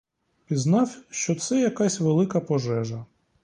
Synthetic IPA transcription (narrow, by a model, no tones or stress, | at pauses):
pʲiznɑwʃt͡ʃɔt̪sɛjɐkɑsʲʋelˠɪkɐpɔʒɛʒɐ